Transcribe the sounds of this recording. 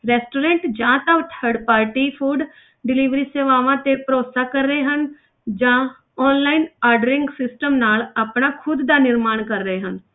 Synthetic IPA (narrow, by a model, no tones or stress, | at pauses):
ɾɛːsʈoːɾẽːɳʈd͡ʒãːt̪əʋt̪ʰəɖpaːɾʈiːpʰuːɖ | ɖɪliːʋɾiːseːʋaːʋãt̪epəɾoːt̪sakəɾːəɦeɦən | d͡ʒãː | ɔːnlaːinaːɾɖəɾɪ̃ŋɡsɪsʈəmnaːləpnaːkʰʊd̪ːaːnɪɾmaːɳkəɾːəɦeːɦən